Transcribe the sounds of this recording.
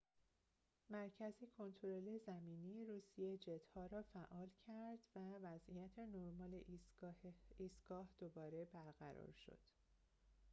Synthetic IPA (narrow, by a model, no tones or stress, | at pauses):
mæɾcʰæzikʰo̞nt̪ʰoɾo̞lezæmiːniːɾuːsijed͡ʒet̪hɒːɾɒːfæʔɒːlcʰæɾd̪̥vævæzʔijæt̪ʰenoɾmɒːleʔ | iːsɡ̥ɒːhd̪̥obɒːɾe̞bæɾɣæɾɒ̰ːɾʃo̰d̪̥